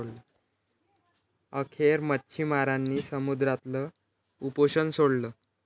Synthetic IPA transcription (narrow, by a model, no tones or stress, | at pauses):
ɽlə | əkʰeɾmətːɕʰimaɾanːiːsəmud̪ɾat̪lə | upoɕənsoɽlə